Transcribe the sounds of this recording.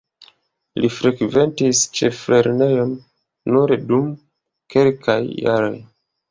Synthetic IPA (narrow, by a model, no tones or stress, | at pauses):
lifɾeɡve̞ntist͡ʃe̞fleɾnejo̞nː | uɾedum | ke̞lkʰajːa̰ɾo̞̰j